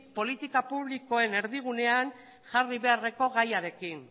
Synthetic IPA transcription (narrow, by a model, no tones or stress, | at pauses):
po̞lit̪ikapuβliko̞e̞ne̞ɾðiɣ̞une̞an | ʝariβe̞are̞ko̞ɣajaɾe̞kin